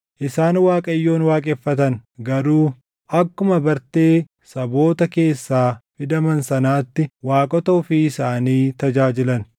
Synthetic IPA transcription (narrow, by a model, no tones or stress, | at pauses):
ʔɪsaːnwaːkʼɐjːo̞ːnwaːkʼɛfːɐt̪ɐnɡɐɾuː | ʔɐkːʊmɐbɐɾt̪e̞ː | sɐbo̞ːt̪ɐke̞ːsːaːfɪd̪ɐmɐnsɐnaːt̪ːɪwaːkʼɔt̪ɐʊfiɪsaːniːt̪ɐd͡ʒaːd͡ʒɪlɐn